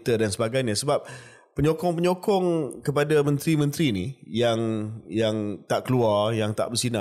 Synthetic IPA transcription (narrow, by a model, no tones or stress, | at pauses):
t̪ədansəbaɡajɲasəbap̚ | pəɲokɔŋpəɲokɔŋkəpadamə̃nt̪ɾimə̃nt̪ɾinijaŋjaŋt̪aʔkəluarjaŋt̪a̰ʔbərsina